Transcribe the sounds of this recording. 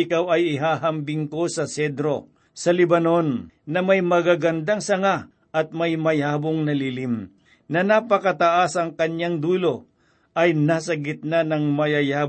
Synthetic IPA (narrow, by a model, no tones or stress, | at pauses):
ɪkawɐjɪɦaːɦɐmbɪŋko̞sɐsɛd̪ɾo̞ | sɐlɪbɐno̞nːɐmɐjmɐɡaɡɐnd̪aŋsɐŋa | ʔɐt̪̚mɐjmɐjaːboŋnɐlilɪm | nɐnapɐkɐt̪ɐʔasɐŋkɐɲːaŋd̪uːlo̞ | ʔɐjnaːsɐɡɪt̪̚nanɐŋmɐjajaː